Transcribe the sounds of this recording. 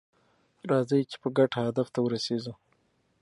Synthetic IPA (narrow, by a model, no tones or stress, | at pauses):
ɾɑzəjt͡ʃe̥pəɡaʈhad̪aft̪awəɾaseʒu